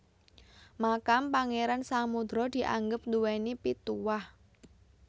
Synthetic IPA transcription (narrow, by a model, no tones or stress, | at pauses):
makampaŋeɾansamud̪ɾɔd̪̥i̤ʔa̰ŋɡəp̚nduwenipit̪uwah